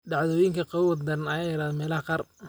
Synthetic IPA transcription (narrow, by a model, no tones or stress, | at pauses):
ɖɑʕðɔːjɪŋkʰɐqɑwwɐd̪d̪ɐnɐjaːjɪɾaːðɔmɛːlɐhqɑr